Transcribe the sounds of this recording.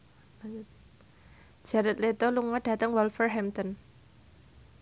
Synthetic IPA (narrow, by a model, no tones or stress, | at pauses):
d͡ʒ̥aɾət̪let̪ɔluŋɔɖ̥a̤t̪əŋwɔlfərɦɛmt̪ɔn